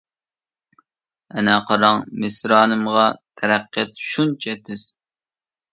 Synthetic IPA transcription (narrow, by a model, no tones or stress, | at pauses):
ɛnɛqʰɑɾɑŋmɪsɾɑːnɨmʁɑt̪ʰɛɾæqːjɛt̪ʃunt͡ʃʰɛt̪ʰɪz̥